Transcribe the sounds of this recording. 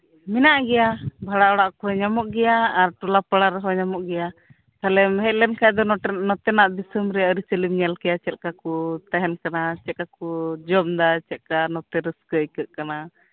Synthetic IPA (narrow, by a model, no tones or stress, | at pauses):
minaʔɡɛjabʱaɽaɔɽaʔkɔɦɔɲamɔʔɡɛjaːɾʈulapaɽaɾɛɦɔɲamɔʔɡɛja | t̪alɛmɦɛc̚ˀlɛnkaɛd̪ɔnɔt̪ɛnaʔd̪isəmɾɛəɾit͡ʃəlimɲalkɛjat͡ʃɛt̪̚kakut̪aɦɛnkanat͡ʃɛt̪̚kakud͡ʒɔmd̪at͡ʃɛt̪̚kanɔt̪ɛɾəskəjkəʔ̪̚kana